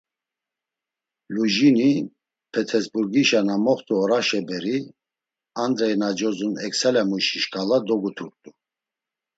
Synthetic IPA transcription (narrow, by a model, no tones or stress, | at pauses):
luʒini | pʰɛt̪ʰɛsbuɾɡiʃanamɔχt̪ʼuɔɾaʃɛbɛɾi | and̪ɾɛjnad͡ʒɔzunɛksɛlɛmuʃiʃkʰalad̪ɔɡut̪ʰuɾt̪ʼu